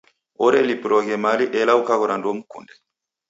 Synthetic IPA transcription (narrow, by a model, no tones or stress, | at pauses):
ɔɾɛlipɾɔɡɛmaliʔɛlawkaɡɔɾandɔmukṵndɛ